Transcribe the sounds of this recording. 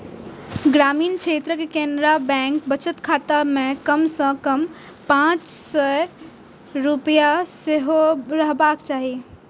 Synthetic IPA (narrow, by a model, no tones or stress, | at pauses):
ɡɾaːmiːnkʃʰeːt̪ɾəkekendɾabɛ̃ːŋk̚bət͡ʃət̪kʰaːt̪amẽkəmsɔ̃kəm | pãt͡ʃsɔ | ɾupjaseɦoɾəɦbaːkt͡ʃaːɦi